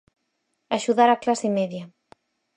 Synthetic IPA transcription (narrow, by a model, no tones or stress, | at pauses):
aʃuðaɾaklasemeðja